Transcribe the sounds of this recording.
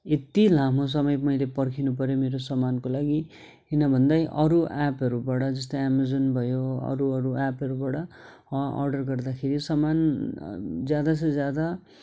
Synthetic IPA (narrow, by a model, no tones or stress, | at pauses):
et̪ilamos̬ʌmʌjmʌjlepʌrkʰinup̬ʌɾjomeɾosʌmankolaɡi | ɦinʌbʱʌnd̪ʌjʔʌɾuapɦʌɾubaɽʌd͡zʌst̪ʌjamazonbʱʌjoʌ̰ɾuʌɾuapʌɾubaɽʌ | ʌʌ̰rɖʌrɡʌrd̪akʰeɾisʌman | d͡zjad̪as̬ʌ̃d͡zjad̪a